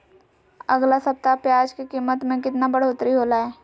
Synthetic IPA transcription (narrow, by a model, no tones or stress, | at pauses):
ɐɡlasɐp̚t̪apjaːd͡ʒkikiːmət̪mẽkɪt̪nabɐɽ̤oːt̪ɾiɦoːlaɛː